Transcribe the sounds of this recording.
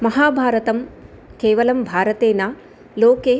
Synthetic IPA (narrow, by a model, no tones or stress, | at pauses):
mɐɦaːbʱaːɾɐt̪ɐm | keːʋɐlɐmbʱaːɾɐt̪eːnaː | loːkeː